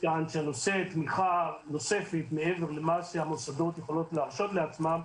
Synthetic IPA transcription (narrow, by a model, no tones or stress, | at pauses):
keanʃeano̞set̪miχano̞se̞fet̪meeve̞ʁlemaseamosad̪o̞t̪jeχolo̞t̪leaʁʃo̞t̪leat͡smam